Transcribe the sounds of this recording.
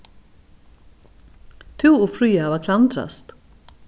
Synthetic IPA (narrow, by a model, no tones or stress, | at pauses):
t̪ʰuːufɾyːɑʋɑːkʰlɑnt̪ʰɾɑ̰st̪